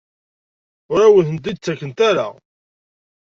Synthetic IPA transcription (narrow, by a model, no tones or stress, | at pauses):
ʊɾæwəθənt̪id̪t͡sːækːənt̪æɾa̰